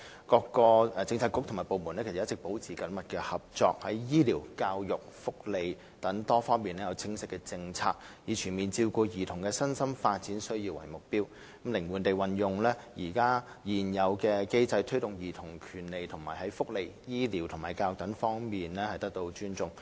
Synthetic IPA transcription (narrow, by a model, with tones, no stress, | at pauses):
kɔː˧kːɔː˧˨˧t͡sɪ˧ŋt͡sʰaː˧kːʊ˥k̚t̪ʰŋmaː˨˩jpo˨˧wmu˨˩nɛ˥kʰs̚j̚t͡sɪ˨k̚po˨˥wt͡sʰiː˨kɐ˨˥nmɐ˨t̚kɛː˧hɐ˨˩p̚t͡ʃɔː˧k̚hɐ˨˥jjiː˥liː˨˩wkaː˧wjʊ˨k̚fʊ˥k̚le˨j | t̪ɐ˨˥ŋt̪ɔː˥fɔː˥ŋmiː˨nlɛː˥jɐ˨˧wt͡sʰɪ˥ŋsɪ˥kːɛː˧t͡sɪ˧ŋt͡sʰa̰ː˧k̚jiː˨˧t͡ʃʰyː˨˩nmiː˨˩nt͡siː˧wkɔː˧jiː˨˩t̪ʰʊ˨˩ŋkɛː˧sɐ˥nsɐ˥mfaː˧t̚t͡siː˨˥nsɵ˥ɥji˧wɐ̰˨˩jmʊ˨k̚piː˥w | mlɪ˨˩ŋwuː˨˩nt̪e˨jwɐ˨njʊ˨ŋlɛː˥jiː˨˩kaː˥ | jiː˨˩njɐ˨wkɛː˧ke˥jt͡sɐ˧jt̪ʰɵ˥ɥt̪ʊ˨ŋjiː˨˩t̪ʰʊ˨˩ŋkʰyː˨˩nle˨jt̪ʰʊ˨˩ŋma̰ː˨˩jhɐ˨˥jfʊ˥k̚le˨jjiː˥liː˨˩wt̪ʰmaː˨˩jkaː˧jʊ˨k̚t̪ɐ˨˥ŋfɔː˥ŋmiː˨nlɛː˥hɐ˨jt̪ɐ˥k̚t̪o˧wt͡ʃyː˥nt͡sʊ˨ŋ